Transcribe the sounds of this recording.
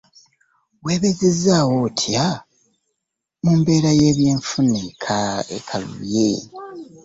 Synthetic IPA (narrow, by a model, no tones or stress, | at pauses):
we̞ːβezezaːwotʰja | muːmbe̞ːɾaje̞ːβje̞ːɱfunekʰaḛkʰalṵjḛ